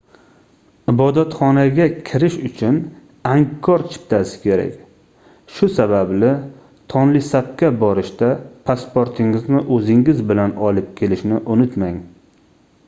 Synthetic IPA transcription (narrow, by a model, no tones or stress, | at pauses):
ɪbɒd̪at̪χɒnaɡʲakʲʰɪɾɪʃʊt͡ʃʰʊn | aŋkʰːɒɾt͡ʃʰɪ̥p̚t̪ʰasɪ̥kʲʰe̞ɾa̰kʲ | ʃʊsabablɪ | t̪ʰɒnlɪsap̚kʲabɒɾɪʃt̪apʰaspoɾt̪ʰɪŋɪznɪʔɵzɪŋɪzbɪlanɒlɪp̚kʲʰe̞lɪʃnɪʔonʊt̪maŋ